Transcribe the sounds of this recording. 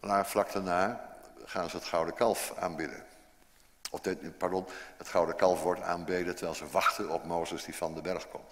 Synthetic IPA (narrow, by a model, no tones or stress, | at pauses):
laːflɑk̚tənaːχaːnzəətχɑwdəkɑlˠfa̰ːnbɪdə̰ | ɔtpaɹdɔnətχɑwdəkɑlˠfʋɔɹta̰ːnbejdətəɹʋɛjlˠzəʋɑχtənɔpmowzəzdifɑndəbɛɹχkɔmt